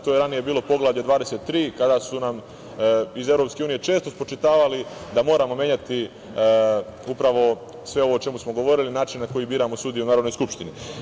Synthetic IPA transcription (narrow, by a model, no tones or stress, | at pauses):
t̪ojeɾanije̞biːlopo̞ɡlaːvʎad̪ʋaːd̪e̞se̞t̪t̪ːɾiːkad̪asunam | ize̞ʋɾopskʲe̞uːnije̞t͡ʃe̞ːst̪o̞spɾot͡ʃit̪aːʋalid̪amo̞ːɾamomje̞ɲat̪i | upɾaʋo̞ | sʋe̞o̞ʋo̞ːt͡ʃe̞musmo̞ɡo̞ʋo̞ɾilinaːt͡ʃinnako̞jibiːɾamo̞suːd̪ijunaːɾod̪nojskupʃt̪ini